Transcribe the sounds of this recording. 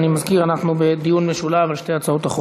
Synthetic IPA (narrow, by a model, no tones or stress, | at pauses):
nimazkiʁanaχnubed̪ijunmeʃulavalʃte̞jat͡saot̪aχ